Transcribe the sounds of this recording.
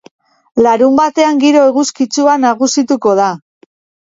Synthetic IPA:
laɾumbat̪e̞aŋɡiɾo̞eɣuskit͡suanaɣusit̪uko̞ð̞a

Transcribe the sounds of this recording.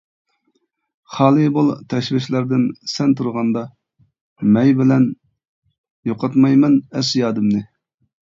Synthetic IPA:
χɑːlˠɨbolˠt̪ʰɛʃvɪʃlæɾd̪ɪnsɛnt̪ʰuɾʁɑnd̪ɑ | mɛjbɪlɛn | joqʰɑt̪mɑjmɛnæɾsjɑːd̪ɨmnɨ

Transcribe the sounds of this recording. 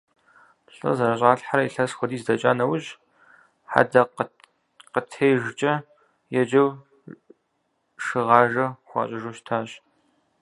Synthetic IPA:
ɬʼɐ̰zɐɾɐɕʼaːɬħaɾɐiɬɐsxʷɔdiːzdɐt͡ʃʼaːnɐwʊʑ | ħa̰dɐq | qətʰeːjʒt͡ʃʼɐ | jɛd͡ʒɐw | ʂɨʁɑːʒɐxʷɑ̰ːɕʼɐʒuʃtʰaːɕ

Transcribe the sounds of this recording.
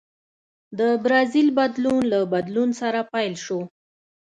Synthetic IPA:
d̪əbɾɑzilbad̪lunlabad̪lunsaɾapajlʃo

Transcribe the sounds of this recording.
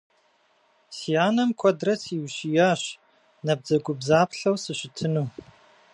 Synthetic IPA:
sijaːnɐmkʷʰɔdrɐt͡sʰiwɕijaːɕ | nɐb̚d͡zɐɡʷʊbzaːpɬɐwsɨɕɪtʰɨnuː

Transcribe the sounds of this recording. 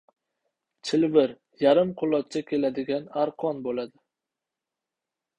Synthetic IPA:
t͡ʃʰɪlvɪɾ | jaɾɪmqʰʊlˠɒt̪̚t͡ʃʰakʲʰe̞lad̪ɪɡʲanaɾqʰɒnbolad̪ɪ

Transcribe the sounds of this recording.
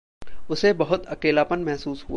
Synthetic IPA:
ʊsebɐɦʊt̪ɐkeːlaːpənmɛɦsuːsɦu

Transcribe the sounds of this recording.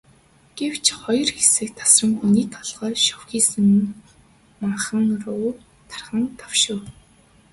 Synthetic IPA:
ɡ̥ew̥t͡ɕʰχɔjɞ̆rxesɘ̆k̚t̪ʰḁsrə̆ŋxuniːt̪ʰɔɮʁœːʃɔwxiːsɘ̆ŋ | maɴχə̆ŋrʊː | t̪ʰḁrχə̆nt̪ʰawʃʊ̆w

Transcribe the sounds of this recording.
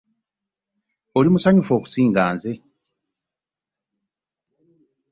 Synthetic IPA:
olimusaɲufo̞ːku̥siːŋɡaːnze

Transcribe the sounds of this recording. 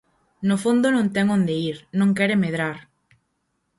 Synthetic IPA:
nofond̪onõnt̪ɛŋõnd̪eiɾnõŋkɛɾemeðɾaɾ

